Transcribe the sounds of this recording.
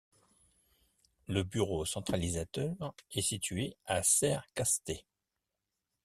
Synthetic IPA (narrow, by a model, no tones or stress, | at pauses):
ləbyʁosɑ̃t̪χalizat̪œʁɛsit̪ɥeasɛʁkast̪e